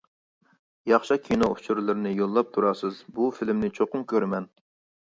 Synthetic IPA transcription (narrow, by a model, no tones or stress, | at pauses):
jɑχʃɑkʲʰinou̥t͡ʃʰuɾlˠɨɾɪnɪjolˠːɑp̚t̪ʰuɾɑsɨzbufilɪmnɪt͡ʃʰoqʊmkʲʰøɾmɛn